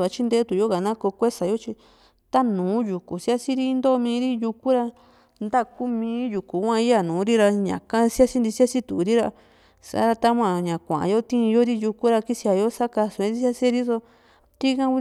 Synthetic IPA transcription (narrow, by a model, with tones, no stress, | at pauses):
a˧t͡ʃi˦nd̪e˦t̪u˨jo˦ɣa˨nã˦ko˧kʷe˦sa˨jo˦t͡ʃi˧ | t̪a˦nũː˨˦ju˨ku˨si˦a˦si˦ɾi˦nd̪o˦˧mĩː˧˦ɾi˦ju˧ku˦ɾa˧ | nd̪a˦ku˦mĩː˧˦ju˨ku˨kʷã˧i˦a˧nũː˨˦ɾi˦ɾa˧ɲã̰˨ka˦˧si˦a˦si˦nd̪i˧si˦a˦si˦t̪u˨ɾi˦ɾa˧ | sa̰˧˨˦ɾa˧t̪a˦mʷã˨ɲã˨kʷã̰˨ʔa̰˨jo˦t̪ĩ˦˧jo˦ɾi˦ju˧ku˦ɾa˧ki˦si˧a˧jo˦sa˦ka˧su˨˧ĩ˧˦i˦si˦a˦se˦ɾi˦so˧ | t̪i˦kã˦u˧˦